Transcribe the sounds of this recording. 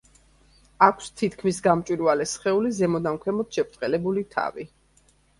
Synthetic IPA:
akʰst̪ʰit̪ʰkʰmisɡamt͡ʃʼwiɾvalɛsχɛulizɛmɔd̪amkʰwɛmɔt̪ʃɛp̚ʰt̪ʼqʼɛlɛbulit̪ʰa̰vi

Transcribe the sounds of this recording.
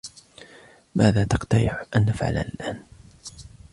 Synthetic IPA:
maːðaːt̪ɑqt̪aɾɪħʔanːafʕa̰la̰nlʔaːn

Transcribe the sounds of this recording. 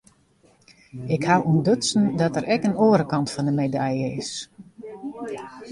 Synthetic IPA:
ɪkhawundøtsn̩dɔtəɾɛkənoːəɾəkɑntfɔndəmedajəɪ̰s

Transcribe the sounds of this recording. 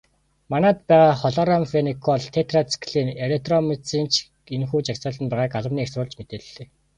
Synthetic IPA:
manaːt̪̚pæːʁaːχɔɮɔɾamfenikʰɔɮt̪ʰet̪rat͡sʰkɮiːnelek̚t̪rɔmet͡sint͡ɕʰ | inxuːt͡ɕakʲsə̆ɮə̆npæːʁaːkaɮə̆mniːeksrʊːɮt͡ɕmet̪eːɮːeː

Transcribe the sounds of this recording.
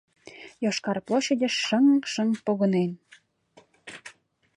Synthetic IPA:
jɑʃkɑrplˠoɕedʲeʃːə̆ŋʃə̆ŋpoɣɤ̆nen

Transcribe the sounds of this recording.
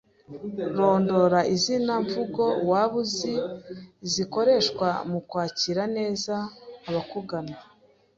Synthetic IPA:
ɾo̞ːndo̞ɾaʔizinaɱvuɡo̞waːβuziziko̞ɾe̞ʃkwamukwaːciɾane̞ːzaːβakuɡana

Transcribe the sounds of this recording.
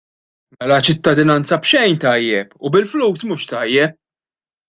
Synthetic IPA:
mɛlɐt͡ʃɪt̪ːɐd̪ɪnɐnt͡sɐpʃɛjnt̪ɐjːɛpʊbɪlfluːsmuːʃt̪ɐjːɛp̚

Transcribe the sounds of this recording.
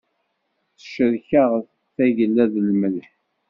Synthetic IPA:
θə̥ʃəðçaʁəf | θæʝəlːæðlməlħ

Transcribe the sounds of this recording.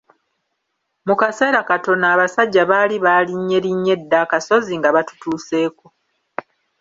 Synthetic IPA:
mukase̞ːɾakato̞naːβasaɟːaβaːliβaːliɲːe̞ɾiɲːe̞dːaːkaso̞ziŋɡaβatu̥tuːse̞ːko̞

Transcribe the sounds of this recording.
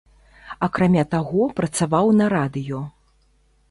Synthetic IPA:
ɐkɾamʲat̪aɣɔpɾɐt̪savawnɐɾad̪ɨjɔ

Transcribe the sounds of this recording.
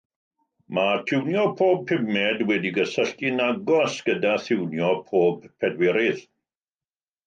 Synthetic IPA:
matʰɪwnjɔpʰoːb̚pʰɪmɛdwɛdiɡəsəɬtinaɡɔsɡ̥ədaθɪwnjɔpʰoːbpʰɛdwɛɾɪð

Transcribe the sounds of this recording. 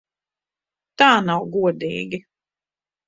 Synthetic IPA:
t̪aːnawɡuɔd̪ḭːɡʲi

